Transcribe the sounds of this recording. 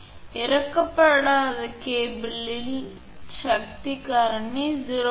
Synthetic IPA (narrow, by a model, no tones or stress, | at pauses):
ɛɾɐkːɐpːɐɽaːðɐkeːbilːil | ʃɐk̚t̪ikaːɾɐɳːiziɾo